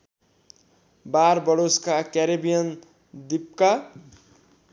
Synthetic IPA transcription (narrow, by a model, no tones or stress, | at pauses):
baɾbʌɽoskakɛɾebijʌn | d̪ip̚ka